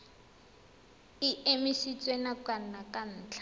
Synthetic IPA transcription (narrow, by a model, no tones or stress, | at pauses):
iemisit͡sʼwenakwan̩nakʼan̩ːt͡ɬʰḁ